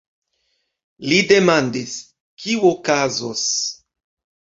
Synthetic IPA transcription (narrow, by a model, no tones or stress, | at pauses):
lide̞mandis | kiuokazos